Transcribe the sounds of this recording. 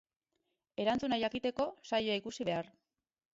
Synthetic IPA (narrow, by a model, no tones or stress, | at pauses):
e̞ɾant͡sunajakit̪e̞ko̞sajoaikusiβe̞ar